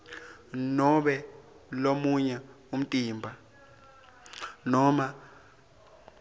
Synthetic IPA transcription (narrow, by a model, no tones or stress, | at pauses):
nɔɓɛ | lomuɲɛ | um̩tʼiːmbʱa | nɔma